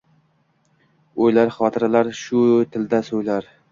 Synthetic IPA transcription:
ojlaɾχɒt̪ʰɪɾalaɾʃʊt̪ʰɪld̪asojlaɾ

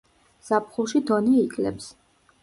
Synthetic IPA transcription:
z̥ap̚ʰχulˠʃid̪ɔnɛːkʼlɛps

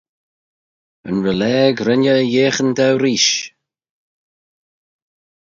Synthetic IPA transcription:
ə̰nɹəlɛːɡɾɪnəjeːxənd̪awɾiːʃ

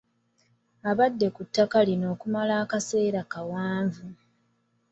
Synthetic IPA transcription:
aβadːe̞kutːakalino̞ːkumalaːkase̞ːɾakawaːɱvu

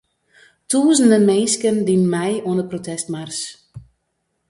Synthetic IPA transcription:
tuːzəndəmeːskəndinmɛjuəndəprotɛstmars

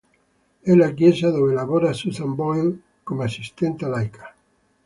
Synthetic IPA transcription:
elakjesaðoelaβoɾasuθambojl | komoasist̪ent̪alajkḁ

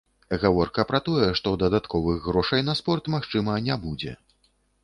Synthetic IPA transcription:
ɣavɔrkɐpɾɐt̪ɔjɛʂt̪ɔd̪ɐd̪at̪kʰɔvɨɣːɾɔʂɐjnɐspɔrt̪maxt͡ʂɨmɐnʲabud͡zʲɛ̰

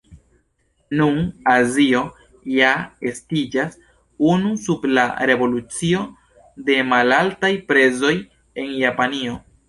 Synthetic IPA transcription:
nunazio̞ | jae̞stid͡ʒas | unusubla̰ɾe̞vo̞lut͡sio̞ | de̞malaltajpɾe̞zo̞j | e̞njapanio̞

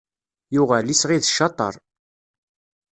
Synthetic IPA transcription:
jʊʁælisʁiðəʃːɑt̪ˤə̰ɾˤ

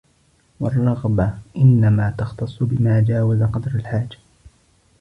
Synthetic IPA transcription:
wɑrˤːɑɣbaʔɪnːamaːt̪ɑxt̪ɑsˤːʊbɪmaːd͡ʒaːwazaqɑd̪ɾalħaːd͡ʒḁ

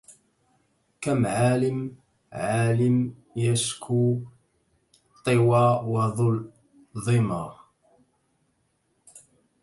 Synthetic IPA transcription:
kamʕaːlɪm | ʕaaːlɪmjaskʰu | t̪ˤːewawɑðˤʊl | ðˤɪmɑ

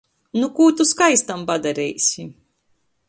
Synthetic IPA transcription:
nukuːt̪uskajst̪ampad̪aɾɛjsʲi

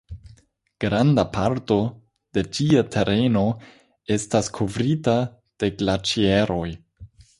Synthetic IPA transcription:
ɡ̥ɾandapʰaɾto̞ | d̥e̞t͡ʃiatʰe̞ɾʔe̞no̞ | e̞staskʰo̞vɾita | d̥e̞ɡlat͡ʃieɾo̞j

